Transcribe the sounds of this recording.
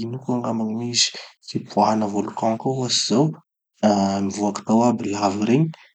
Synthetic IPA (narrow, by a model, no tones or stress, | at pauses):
inukuaŋɡamanimizi̥sipuaɦanəvolukãkaasiz̥aw | amivuaki̥t̪awabilaviɾeɲ